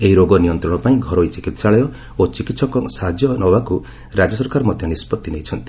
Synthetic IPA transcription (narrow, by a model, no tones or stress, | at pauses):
eɦiɾoɡɔnijɔnt̪ɾɔɽ̃ɔpaĩɡʱɔɾɔit͡ʃikit̪saɭɔjɔ | ot͡ʃikit̪sɔkɔsad͡ʒjɔnɔbaku | ɾad͡ʒɔsɔɾkaɾɔmɔd̪ʱjɔnispɔt̪ːinejt͡ʃʰɔnt̪i